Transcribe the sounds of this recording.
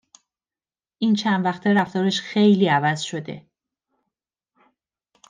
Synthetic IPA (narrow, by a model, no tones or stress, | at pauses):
ʔiːnt͡ʃʰænd̪væxt̪ʰeɾæft̪ɒːɾeʃxe̞jliːævæzʃo̞d̪e̞̰